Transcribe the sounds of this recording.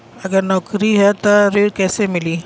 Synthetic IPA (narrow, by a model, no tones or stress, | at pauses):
ɐɡəɾnɔːkɾiɦɛt̪oɾeːɽkɛːsemɪliː